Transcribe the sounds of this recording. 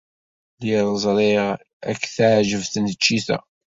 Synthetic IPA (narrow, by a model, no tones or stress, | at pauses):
liɾˤəzˤɾˤi | ækːθaʕʒəvθnət͡ʃːiθæ̰